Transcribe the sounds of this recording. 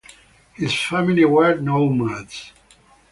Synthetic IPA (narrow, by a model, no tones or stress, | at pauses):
hɪz̥fæmiliwɜ˞dnoʊmadz̥